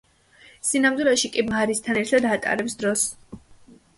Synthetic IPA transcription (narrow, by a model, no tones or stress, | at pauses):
sinamd̪wilɛʃikʼimaɾist̪ʰanɛɾt̪ʰad̪at̪ʼa̰ɾɛpsd̪ɾɔs